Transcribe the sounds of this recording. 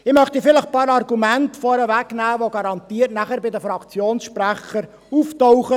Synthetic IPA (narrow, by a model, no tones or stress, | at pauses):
ɪmœχt̪ifɪləχpɑːɾɑrɡumæntfɔɾəʋæknæːʋoɡɑɾɑnt̪iːəɾtnæχəɾbɪd̪əfɾɑkt͡sjoːnsʃpræχəɾ | uftɔwχə